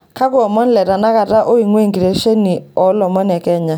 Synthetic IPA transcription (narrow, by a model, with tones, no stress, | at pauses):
ka˦kʊ˦ɔ˨mɔ˦n˦lɛ˨ta˨na˦ka˨ta˦ʔo˦i˨ŋwe˦˨ŋɡi˨ɾe˨ʃe˦ni˨ɔ˨˦lɔ˨mɔ˦nɛ˨kɛ˦˨ɲa˨˦